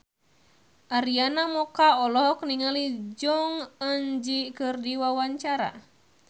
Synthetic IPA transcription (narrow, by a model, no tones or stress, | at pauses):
ʔaɾianamɔkaɔlɔɦɔk̚niŋalid͡ʒɔŋənd͡ʒikɨrdiwawaɲt͡ʃaɾa̰